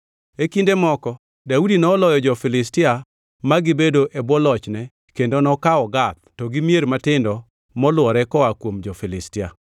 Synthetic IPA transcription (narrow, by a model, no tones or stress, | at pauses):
ekindemɔkɔ | daudinɔːlɔjɔd͡ʒɔfɪlɪstɪa | maɡɪbedoʔebɔlɔt͡ʃnɛ | kendonɔkaɔɡat̪̚tɔɡɪmijeɾmatɪndɔ | mɔlwɔɾɛkɔwakwomd͡ʒɔfɪlɪstɪa̰